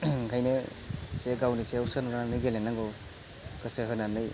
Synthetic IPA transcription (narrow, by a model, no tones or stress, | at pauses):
kʰajnɯ | seɡawnisewsanɯɾnanɯjɡelenaŋɡɔ | kʰɯseɦɯnanɯj